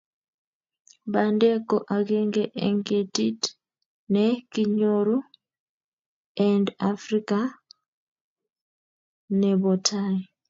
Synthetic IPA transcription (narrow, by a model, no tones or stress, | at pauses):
βandekoʔaɡeːŋɡeʔḛŋɡetit | nekiɲoɾu | andafɾika | neβotʰani